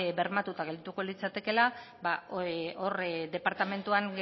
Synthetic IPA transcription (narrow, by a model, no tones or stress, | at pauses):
be̞ɾmat̪ut̪aɣ̞eld̪it̪uko̞lit͡sat̪e̞ke̞la | baord̪e̞paɾt̪ame̞nt̪uaŋɡe